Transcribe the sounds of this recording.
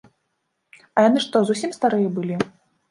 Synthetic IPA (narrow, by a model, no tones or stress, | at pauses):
ɐjanɨʂt̪ɔzusʲimst̪aɾɨjɐbɨlʲi